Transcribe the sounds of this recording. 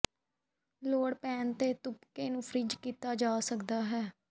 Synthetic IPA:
loːɽpɛːnt̪eːt̪ʊpkeːnũːpʰɾɪd͡ʒkiːt̪aːd͡ʒaːsəkd̪aːɦɛː

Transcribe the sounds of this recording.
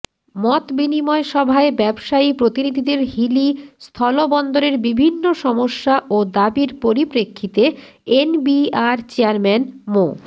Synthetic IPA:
mɔt̪binimɔeʃɔbʱaebɛbʃaipɾot̪inid̪ʱid̪eɾɦilist̪ʰɔlobɔnd̪oɾeɾbibʱinːoʃɔmoʃːaʔod̪abiɾpoɾipɾekʰːit̪e | enbiaɾt͡ɕeaɾmɛnmo

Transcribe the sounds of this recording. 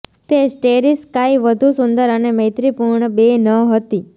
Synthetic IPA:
t̪esʈeɾiskaiʋəd̪ʱusund̪əɾənemə̃jt̪ɾipuɾɳəbenəɦət̪i

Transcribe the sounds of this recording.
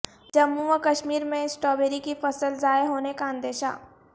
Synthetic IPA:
d͡ʒɐmːuəkɐʃmiːɾmẽɪsʈɔːbeːɾikifəsəlzaːeɦoːnekaə̃nd̪eːʃa̰ː

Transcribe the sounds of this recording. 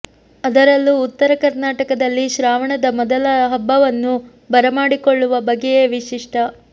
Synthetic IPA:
ɐd̪ɐɾɐlːuːt̪ːɐɾɐkɐɾnaːʈɐkɐd̪ɐlːiʃɾaːʋɐɳɐd̪ɐmɔd̪ɐlɐɦɐbːɐʋɐnːu | bɐɾɐmaːɽikoɭːuʋɐbɐɡejeːʋiʃiʂʈʰɐ

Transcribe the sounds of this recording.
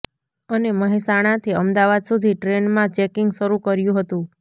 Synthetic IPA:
əneməɦisaɽ̃ãt̪ʰiəmd̪aʋad̪sud̪ʱiʈɾenmãt͡ʃɛkɪŋɡʃəɾukəɾjũɦət̪ũ

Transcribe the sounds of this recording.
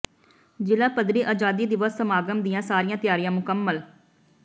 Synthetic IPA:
d͡ʒɪlaːpəd̪ɾiːʔaːd͡ʒaːd̪iːd̪ɪʋəsːəmaːɡəmd̪ɪjãːsaːɾɪjãːt̪ɪjaːɾijãːmʊkəmːəl

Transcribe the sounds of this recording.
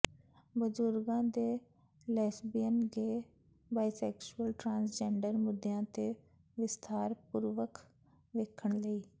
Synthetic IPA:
bəzʊɾɡãːd̪eː | lɛːsbiːənɡeː | baːisɛːkʃuəlʈɾãːnsd͡ʒɛːɳɖəɾmʊd̪jãːt̪eː | ʋɪst̪ʰaːɾpuɾʋək | ʋeːkʰəɳləiː

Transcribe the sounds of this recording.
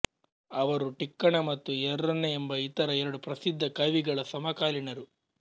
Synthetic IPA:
ɐʋɐɾuʈikːɐɳɐmɐt̪ːuɛɾːɐnːeembɐit̪ɐɾɐɛɾɐɽupɾɐsid̪ʱːɐkɐʋiɡɐɭɐsɐmɐkaːliɳɐɾu

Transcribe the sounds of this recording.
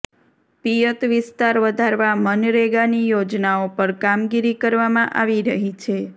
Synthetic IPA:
pijət̪ʋɪst̪aɾʋəd̪ʱaɾʋamənɾeɡanijod͡ʒnaopəɾkamɡiɾikəɾʋamãʔaʋiɾəɦit͡ʃʰe

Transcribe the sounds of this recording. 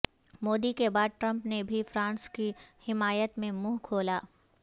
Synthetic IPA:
moːd̪ikebaːd̪̚ʈɾɐ̃mpnebʱifɾãːnskihɪmaːjət̪mẽmuːɦkʰoːlaː

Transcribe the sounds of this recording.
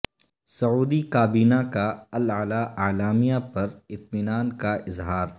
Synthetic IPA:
sɐuːd̪ikaːbiːnakaɐlalaʔaːlaːmijapɐɾɪt̪̚mɪnaːnkaʔɪzɦaːɾ

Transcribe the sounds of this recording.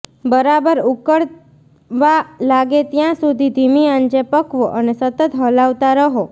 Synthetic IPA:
bəɾabəɾukəɽ | ʋalaɡet̪jãsud̪ʱid̪ʱimiãnd͡ʒepəkʋoʔənesət̪ət̪ɦəlaʋt̪aɾəɦo

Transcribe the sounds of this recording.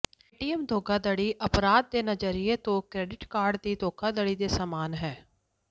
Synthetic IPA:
ʈiːɛmd̪ʱoːɡaːd̪əɽiːʔəpɾaːd̪̚ːeːnəd͡ʒəɾijet̪õːkɾɛːɖɪʈkaːɾɖd̪iːd̪oːkʰaːd̪əɽiːd̪eːsaːmaːnɦɛː

